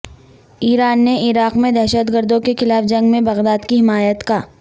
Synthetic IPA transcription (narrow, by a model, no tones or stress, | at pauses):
iːɾaːnːeʔɪɾaːqmẽd̪ɛːʃət̪ɡəɾd̪õkexɪlaːfd͡ʒɐ̃ŋɡmẽbɐɣd̪aːd̪kiɦɪmaːjət̪kaː